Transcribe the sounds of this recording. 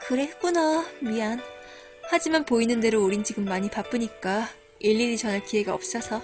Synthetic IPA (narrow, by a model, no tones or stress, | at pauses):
kɯɾek͈unamian | had͡ʑimanpoinɯnde̞ɾouɾint͡ɕiɡɯmːaɲipap͈ɯɲik͈a | ʔeʎːiɾit͡ɕʌnekiɦe̞ɡaʌ̰p̚s͈ʌsʰʌ